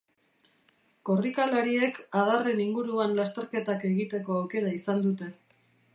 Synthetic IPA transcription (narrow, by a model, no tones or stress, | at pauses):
ko̞rikalaɾie̞kað̞are̞niŋɡuɾuanlast̪e̞ɾke̞t̪ake̞ɣit̪e̞ko̞awke̞ɾaisand̪ut̪e̞